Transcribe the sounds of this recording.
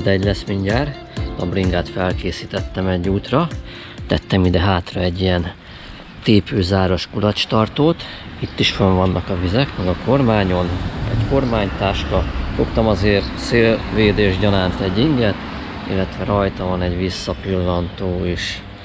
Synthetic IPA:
d̪ɛɟlɛsmiɲɟaːr | t̪ɒbriŋɡaːt̪fɛlkeːsit̪ɛt̪ːɛmɛɟːuːt̪rɒ | t̪ɛt̪ːɛmid̪ɛɦaːt̪rɒɛɟːijɛn | t̪eːpøːzaːɾo̞ʃkulɒt͡ʃt̪ɒrt̪oːt̪it̪ːiʃføɱvɒnːʔɒkɒvizɛkmɛɡɒko̞rmaːɲo̞nɛ̰ɟko̞rmaːɲt̪aːʃkɒfo̞kt̪ɒmɒzeːrseːlveːd̪eːʒɟɒnaːnt̪ɛɟːiŋɡɛt̪ | ḭlːɛt̪ʋɛɾɒjt̪ɒvɒnɛɟʋisːɒpilːɒnt̪oːeʃ

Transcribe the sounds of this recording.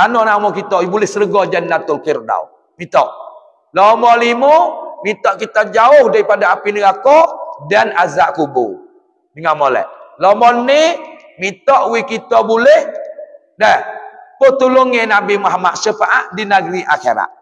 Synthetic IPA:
anɔʔnamɔkit̪ɔibulɪhsəɾəɡɔd͡ʒanːat̪ʊlkirda̰w | mit̪ɔ̰ʔ | lɔmɔlimumit̪ɔʔkit̪ad͡ʒaʊhdaɾipadaːapinəɡakɔʔdanazaʔkubṵ | dəŋamɔlɛ̰ʔlɔmɔnːi | mit̪ɔʔwikit̪ɔbulɛh | nɛhpət̪uluŋenabimaɦmaʔʃəfaʔaʔdinaɡɾiʔakeɾa̰ʔ

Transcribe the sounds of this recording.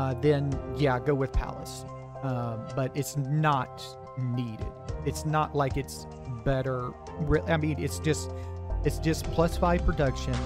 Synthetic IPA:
ðɨ̃njæɡoʊwɨð̥pʰæ̰lˠə̰s | ʌbʌɾɨtsnət̚ | niɾɪ̰dɨtsnəʔlaɪkɨts | bɛɾə˞ | ɹɪaɪmĩnɪ̰tsd̥ʒ̥ʌst̚ɨtsd̥ʒ̥ʌspʰl̥ʌsfaɪpʰɹ̥ɨdʌkʃɨ̃n

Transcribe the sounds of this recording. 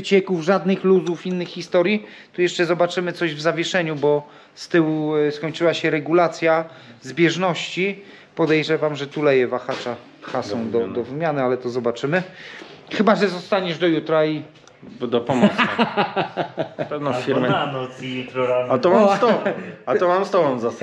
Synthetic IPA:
t͡ɕɛkuvʐad̪nɘxluzufinːɘxxist̪ɔɾʲji | t̪ujɛʂt͡ʂɛzɔbat͡ʂɘmɘt̪sɔʑvzavʲjɛʂɛɲubɔ | st̪ɘwskɔɲt͡ʂɘwaɕɛɾɛɡulat̪sʲja | zbʲjɛʐnɔɕt͡ɕi | pɔd̪ɛjʐɛvamʐɛt̪ulɛjɛvaxat͡ʂa | xasɔ̃w̃d̪ɔɔvɘmʲjanɘalɛt̪ɔzɔbat͡ʂɘmɘ | xɘbaʐɛzɔst̪aɲɛʐd̪ɔjut̪ɾai | d̪ɔpɔms | pɛvnɔ̃fʲiɾmɛ | at̪ɔmaamt̪ɔat̪ɔmamst̪ɔwɔ̃mzas

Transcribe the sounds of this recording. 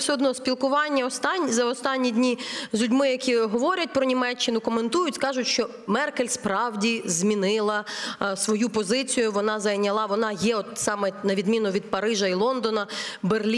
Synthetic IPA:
sʲɛɔd̪nɔspʲilˠkʊʋɑnʲːɐɔst̪ɑnʲzɐɔst̪ɑnʲːidʲnʲizʲlʲʊdʲmɪjɐkʲiɦɔʋɔɾʲɐt̚ʲpɾɔnʲimɛt͡ʃːɪnʊkɔme̞nt̪ujʊtʲskɑʒʊtʲʃt͡ʃɔ | mɛrkelʲspɾɑwdʲizmʲinɪlˠɐsʋɔjupɔzɪt͡sʲijʊʋɔnɑzɐjnʲɐlˠɑʋɔnɑjɛɔt̪sɑmɛnɐʋʲid̪mʲinʊʋʲid̪̚pɐɾɪʒɐilˠɔnd̪ɔnɐberlʲi

